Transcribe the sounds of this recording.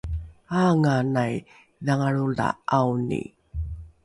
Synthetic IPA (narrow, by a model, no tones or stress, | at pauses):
aŋanaj | ðaŋaɭula̰ʔawnḭ